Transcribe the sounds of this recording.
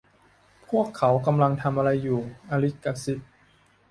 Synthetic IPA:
pʰu˥˩əkʰːa˩˦wka˧mla˧ŋt̪ʰa˧mʔa˧ɾa˧jːuː˨˩ʔa˧ɾi˦˥ka˧si˦˥t̪̚

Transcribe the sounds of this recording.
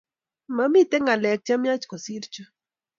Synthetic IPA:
ma˦mi˦t̪ɛ˦ŋa˨lɛ˨k̚t͡ʃa˦mja˦t͡ʃkɔ˨si˦ɾt͡ʃɔ˦

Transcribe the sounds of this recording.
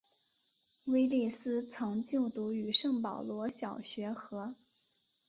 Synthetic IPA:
we˥ɪli˥˩sɹ̩˥t͡sʰɑ˧˥ŋt͡ɕjo˥˩ʊt̪u˧˥y˨˩ʂɤ˥˩ŋpɑ˨˩ʊlwɔ˧˥ɕjɑ˨˩ʊɕɥɛ˧˥xɤ˧˥

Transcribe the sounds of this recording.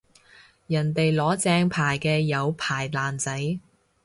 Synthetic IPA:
jɐ˨˩nt̪e˨jlɔː˨˥t͡sɛː˧ŋpʰaː˨˩jkɛː˧jɐ˨˧wpʰaː˨˩jlaː˨nt͡sɐ˨˥j

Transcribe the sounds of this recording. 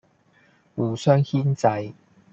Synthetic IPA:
wuː˨˩sœː˥ŋhiː˥nt͡sɐ˧j

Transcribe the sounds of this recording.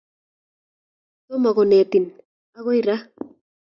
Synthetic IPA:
to˦ma˨ɣo˨ne˨t̪i˨n | a˦ɣo˦i˦ɾa˦

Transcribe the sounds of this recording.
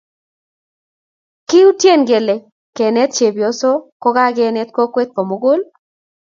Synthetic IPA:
kɪ˦u˦tje˦˨nɡe˨le˨ | kɛ˨nɛ˦t̪̚t͡ʃe˨bjɔ˨sɔ˦kɔ˦ɡa˦ɡɛ˦˨nɛ˦t̪̚kɔ˦kwe˦t̪̚kɔ˨mo˦ɡo˦l

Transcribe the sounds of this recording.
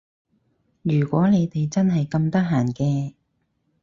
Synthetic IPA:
jyː˨˩kʷwɔː˨˥ne˨˧jt̪e˨jt͡sɐ˥nɦɐ˨jkɐ˧mt̪ɐ˥k̚ɦaː˨˩nkɛː˧

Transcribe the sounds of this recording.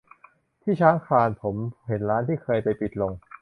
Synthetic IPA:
t̪ʰiː˥˩t͡ɕʰaː˦˥ŋkʰaː˧npʰo˩˦mhe˩˦nɾaː˦˥nt̪ʰiː˥˩kʰɤː˧jpa˧jpi˨˩t̪̚lo˧ŋ

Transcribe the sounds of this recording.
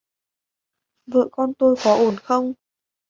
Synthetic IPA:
və̰˧˨kɔ˧nt̪o˧jkɔ˨˦ʔo˧˩nxə˧wŋ͡m

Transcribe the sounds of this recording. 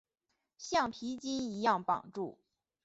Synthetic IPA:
ɕjɑ˥˩ŋpʰi˧˥t͡ɕi˥ni˧˥jɑ˥˩ŋpɑ̰˨˩ŋʈ͡ʂu˥˩

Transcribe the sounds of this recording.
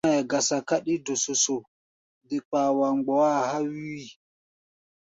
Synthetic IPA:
ɛ˨ɡa˨sa˨ka˦ɗi˦do˨so˨so˨ | di˨k͡paː˨wa˨ŋ͡mɡ͡bɔ˨˦a˦ha˦wi˦wi˨

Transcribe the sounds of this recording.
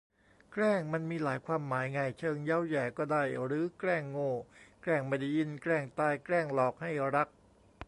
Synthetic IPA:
kɾɛː˥˩ŋma˧nmiː˧laː˩˦jkʰwaː˧mːaː˩˦jŋa˧jt͡ɕʰɤː˧ŋjaː˦˥wjɛː˨˩kɔː˥˩daː˥˩jɾɯː˨˩˦klɛː˥˩ŋːoː˥˩klɛː˥˩ŋma˧˩da˥˩ji˧nkɾɛː˥˩ŋt̪aː˧jklɛː˥˩ŋlɔː˨˩k̚ha˥˩jɾa˦˥k̚

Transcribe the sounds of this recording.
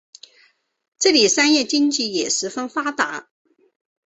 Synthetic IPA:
ʈ͡ʂɤ˥˩li˨˩sa˥njɛ˥˩t͡ɕi˥ŋt͡ɕi˥˩jɛ˨˩ʂɻ̩˧˥fə˥nfa˥t̪a˧˥

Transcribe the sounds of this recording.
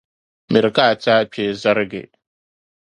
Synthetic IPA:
mɪ˨ɾka˦˨taː˦pʲʰe˦za˦ɾɡḛ˨

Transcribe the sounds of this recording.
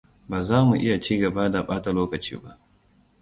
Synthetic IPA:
baː˨zaː˦mu˨ʔɪ˦ja˨t͡ʃiː˦ɡɐ˨ba˦da˨ɓaː˦ta˨loː˦kɐ˨t͡ʃḭː˦ba˦ʔ

